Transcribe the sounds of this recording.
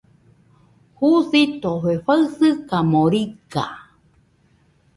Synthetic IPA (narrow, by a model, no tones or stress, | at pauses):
huθit̪oheɸaɨsɨkamoɾika̰